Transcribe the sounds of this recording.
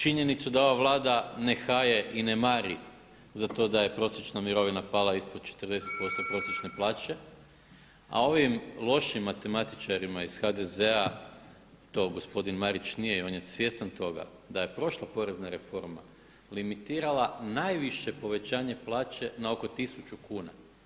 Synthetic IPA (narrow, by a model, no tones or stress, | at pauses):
t͡ʃiɲe̞nit̪sud̪ao̞ʋaʋlˠaːd̪ane̞xaje̞ʔine̞maɾi | zat̪o̞ːd̪aje̞pɾo̞sjet͡ʃnamiɾo̞ʋinapalˠaispo̞d̪̥̚t͡ʃe̥t̪ərd̪e̞set̪̚po̞st̪o̞pɾo̞sjet͡ʃne̞plˠaːt͡ɕe̞ | a̰o̞ʋimlˠo̞ʃimːat̪e̞mat̪i̥t͡ʃaɾimaiz̥xad̪e̞ze̞a | t̪o̞ːɡo̞spo̞d̪inmaɾit͡ʃnijeio̞ːnje̞sʋje̞st̪ant̪o̞ɡa̰ | d̪aje̞pɾo̞ʃlˠapo̞ɾe̞znaɾe̞fo̞ɾma̰ | limit̪iːɾalˠanajʋiʃe̞po̞ʋe̞t͡ɕaːɲe̞plˠaːt͡ʃe̞nao̞ko̞t̪isut͡ʃukuːna̰